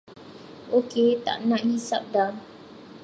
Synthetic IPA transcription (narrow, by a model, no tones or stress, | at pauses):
oket̪a̰ʔnãʔhisa̰p̚da